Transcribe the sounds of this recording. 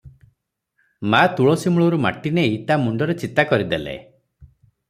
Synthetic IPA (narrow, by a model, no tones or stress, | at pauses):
mat̪uɭɔsimuɭɔɾuma̰ʈineit̪amuɳɖɔɾet͡ʃit̪akɔɾid̪elḛ